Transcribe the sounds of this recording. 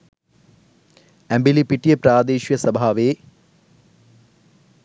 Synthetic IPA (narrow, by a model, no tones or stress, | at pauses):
embilipiʈːijepɾaːd̪eːʃjɐsɐbʱaːʋeː